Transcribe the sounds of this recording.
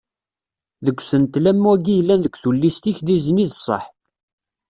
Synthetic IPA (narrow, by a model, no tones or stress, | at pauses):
ðəɡʷsənt̪læmːuæɡijlːænðəɡʷθulːist̪içd̪izniðəsˤːɑ̰ħ